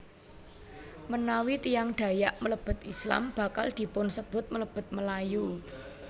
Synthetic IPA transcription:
mənawit̪ijaŋɖ̪̥ä̤jaʔmələb̥ʊ̤t̪isla̰mb̥a̤kald̪̥i̤pʊnsəb̥ʊ̤t̪̚mələb̥ʊ̤t̪̚məlaju

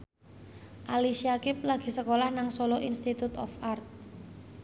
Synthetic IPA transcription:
ʔalisiakɪp̚laɡ̥i̤səkolahnaŋsɔlɔʔinst̪it̪ut̪ɔ̰fart̪̚

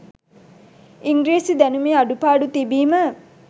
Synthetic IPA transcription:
iŋɡɾiːsid̪ænumeːaɖupaːɖut̪ibiːmə

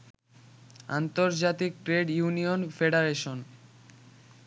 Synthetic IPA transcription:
a̰nt̪oɾd͡ʑat̪ik̚ʈɾeɖjunionfeɖaɾeʃon

